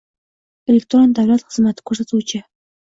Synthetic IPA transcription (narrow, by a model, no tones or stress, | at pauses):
elʲek̚t̪ɾond̪awlat̪χəzmat̪ɪ̥kʰɵɾsat̪ut͡ʃʰə